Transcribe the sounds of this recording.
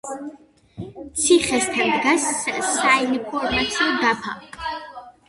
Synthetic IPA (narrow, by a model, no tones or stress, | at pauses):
t̪sʰiχɛst̪ʰand̪ɡasːainpʰɔɾmat̪sʰiɔd̪apʰa̰